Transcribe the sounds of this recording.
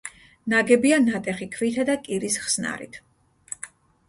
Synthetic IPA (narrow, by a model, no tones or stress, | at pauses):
naɡɛbianat̪ʼɛχikʰvit̪ʰad̪akʼiɾisχsna̰ɾḭt̪ʰ